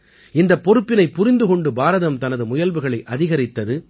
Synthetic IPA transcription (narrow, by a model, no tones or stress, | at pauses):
ɪnd̪ɐpːɔɾɯpːɪnɐɪpːʊɾɪnd̪ɯkɔɳɖɯbaːɾɐðɐmt̪ɐnɐðɯmʊjɐlʋɯɣɐɭɐɪʔɐðɪɣɐɾɪt̪ːɐðɯ